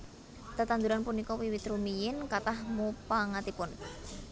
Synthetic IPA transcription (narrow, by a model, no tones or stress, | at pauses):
t̪ət̪and̪uɾanpunikɔwiwit̪ɾumijɪnkat̪ahmupaŋat̪ipʊn